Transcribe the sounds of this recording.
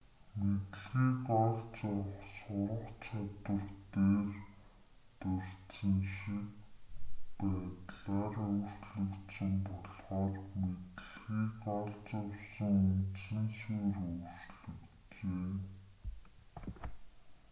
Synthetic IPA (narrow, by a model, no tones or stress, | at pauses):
met̪ɮɣiːkɔɮt͡sɔwsʊɾə̆qt͡ɕʰat̪wə̆rt̪eːr | t̪ɵr̥sɘ̆ŋʃik | pæːt̪ɮaːrɵwr̥t͡ɕɮɵ̆kt̪sə̆mpɔɮχɔːrmet̪ɮɣiːkɔɮt͡sɔwsə̆ŋunt͡sɘ̆nsuːrɵwr̥t͡ɕɮɵ̆k | t͡ɕeː